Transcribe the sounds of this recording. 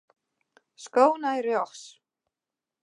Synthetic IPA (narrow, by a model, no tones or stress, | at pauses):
skoːwnajrjɔxs